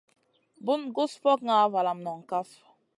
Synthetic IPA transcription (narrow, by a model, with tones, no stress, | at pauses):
bu˦nɡu˦spɔ˦k̚ŋa˨˦va˨la˨mnɔ˨ŋ˨ka˦f